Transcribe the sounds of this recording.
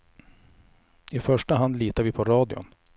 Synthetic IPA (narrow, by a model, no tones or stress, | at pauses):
ɪfœʂʈaɦand̪liːt̪aɾvɪpʰɔɾɑːd̪ɪʊ̰n